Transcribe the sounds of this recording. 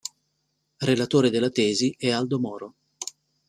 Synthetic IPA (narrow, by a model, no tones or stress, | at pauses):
relat̪oːɾed̪elːat̪ɛːziɛald̪omɔːɾo